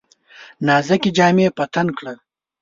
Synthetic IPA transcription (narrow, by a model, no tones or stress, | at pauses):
nɑːzakid͡ʒɑːmepɐt̪ankɽə